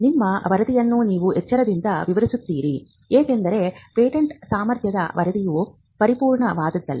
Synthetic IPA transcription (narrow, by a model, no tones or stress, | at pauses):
nimːɐʋɐɾɐd̪ijɐnːuniːʋuɛt͡ʃːɐɾɐd̪ind̪ɐʋiʋɐɾisut̪ːiːɾi | eːkend̪ɐɾe̞peːʈeɳʈsaːmɐɾt̪ʰjɐd̪ɐ̰ʋɐɾɐd̪iju | pɐɾipuːɾɳɐʋaːd̪ɐd̪ːɐlːi